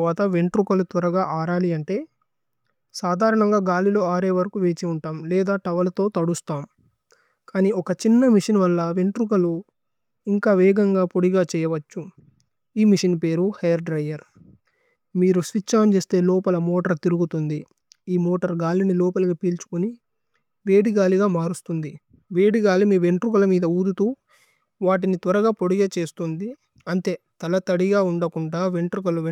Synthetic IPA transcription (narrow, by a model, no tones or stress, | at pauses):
ʋaːt̪ɐʋe̞ɳʈɾukɐlut̪ʋɐɾɐɡaːʔaːɾaːliɐɳʈe̞ː | saːd̪ʱaːɾɐɳɐŋɡaːɡaːlilo̞ːaːɾeːʋɐɾɐkuʋeːt͡ʃiuɳʈaːmlɛːd̪aːʈɐʋɐlɐt̪o̞ːt̪ɐɽust̪aːm | kaːniːɔkɐt͡ʃinːɐmiʂɐnʋɐlːɐʋe̞ɳʈɾuk̬ɐlu | iŋkaːʋɛːɡɐŋɡaːpoɽiɡaːt͡ʃɛːjɐʋɐt͡ʃːu | iːmiʂɐnpe̞ːɾuhɐjɐɾɖɾɐjɐɾ | miːɾusʋit͡ʃːaːmt͡ʃeːst̪e̞ːlɔːpɐlɐmoːʈɐɾt̪iɾuɡut̪und̪i | iːmoːʈɐɾɡaːlinilɔːpɐlɐkɐpiːlt͡ʃu̥kuni | ʋeːɽiɡaːliɡaːmaːɾust̪und̪i | ʋeːɽiɡaːlimiːʋe̞ɳʈɾukɐlɐmiːd̪ɐuːd̪ut̪uː | ʋaːʈ̬init̪ʋɐɾɐɡaːpoɽiɡaːt͡ʃe̞ːst̪und̪i | ɐnt̪e̞ːt̪ɐlɐt̪ɐɽiɡaːuɳɖɐkuɳɖaːʋe̞ɳʈɾukɐluʋ